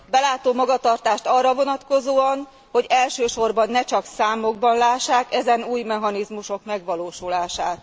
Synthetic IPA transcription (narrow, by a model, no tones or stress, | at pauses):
bɛlaːt̪oːmɒɡɒt̪ɒrt̪aːʃt̪ɒrːɒvo̞nɒt̪ko̞zoːɒn | ho̞ɟɛlʃøːʃo̞rbɒnːɛt͡ʃɒksaːmo̞ɡbɒnlaːʃːaːkɛzɛnuːjmɛɦɒnizmuʃo̞kmɛɡʋɒloːʃulaːʃaːt̪